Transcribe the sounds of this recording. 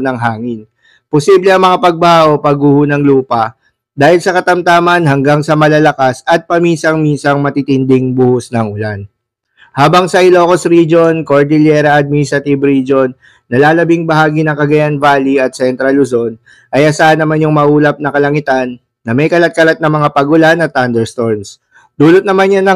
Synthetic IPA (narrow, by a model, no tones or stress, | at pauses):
nɐŋɦaːŋɪn | posiblɛɐŋmɐŋapɐɡ̚bɐhaʔopɐɡuhʊnɐŋluːpɐ | d̪aːhɪlsɐkɐt̪ɐmt̪aːmɐnɦɐŋɡaŋsɐmɐlalɐkasɐt̪̚pɐmiːnsɐŋminsɐŋmɐt̪it̪ɪnd̪ɪŋbuhʊsnɐŋʔʊlan | haːbɐŋsɐɪlo̞kosɾid͡ʒo̞nkoɹd̪ɪljɛɾɐʔɐd̪̚misɾɐt̪ibɾid͡ʒonː | ɐlaːlɐbiŋbɐɦaːɡinɐŋkɐɡɐjanvaːliɐt̪̚sɛnt̪ɾɐlʊzo̞n | ʔɐjʔɐsaːɐnːɐmanjʊŋmɐʔuːlɐp̚nɐkɐlɐŋɪt̪anː | ɐmɛjkɐlɐt̪̚kɐlat̪̚nɐŋmɐŋapɐɡʊlanɐt̪ːand̪ɛɹst̪oɹns | d̪̥uːlot̪̚nɐmanjanɐ